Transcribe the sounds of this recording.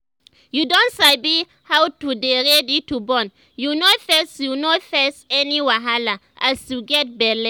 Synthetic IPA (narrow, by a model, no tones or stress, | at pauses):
judõntsaɪbi | hawtudeɹɛditubɔ̃n | junofɛsjunofɛsɛniwaɦala | ʔastuɡɛt̚bɛlɛ